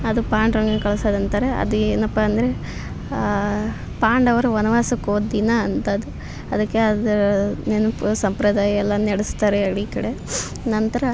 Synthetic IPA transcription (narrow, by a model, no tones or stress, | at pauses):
ɐd̪upaːɳɖɾɐŋɡɐnkɐɭɐsad̪ɐnt̪ɐɾeɐ̰d̪ueːnɐpːɐɐnd̪ɐɾe̞ | paːɳɖɐʋɐɾuʋɐnɐʋaːsɐkoːd̪inɐːnt̪ɐd̪u | ɐd̪ɐkːeɐd̪ɐɾnenɐpusɐmpɾɐd̪aːjɐɛlːɐnɛɽist̪aːɾeɐɽikɐɽe | nɐnt̪ɐɾɐ